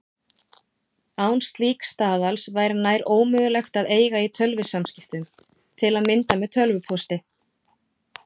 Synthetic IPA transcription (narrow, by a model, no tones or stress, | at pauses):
awnst̪liːkst̪aːðalsvajɾnaːjɾoːwmʏːɣʏlɛxt̪aðeːjɣait̪ʰœlvɪsamscɪft̪ʏm | t̪ʰɪlaðmɪnt̪amɛðt̪ʰœlvʏpʰɔst̪ɪ